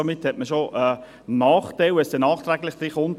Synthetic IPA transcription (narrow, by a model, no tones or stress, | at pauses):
omɪthɛtməʃoʔɛ | nɑːχt̪aɪwɛsd̥ɛnɑːχt̪ɾæɡlɪχd̥̪ɾiχʊnt